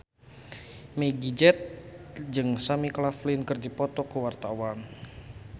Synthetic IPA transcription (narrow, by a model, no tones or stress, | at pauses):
meɡid͡ʒɛt̪̚d͡ʒɨŋsamiklaflinkɨrdipɔt̪ɔkəwart̪awan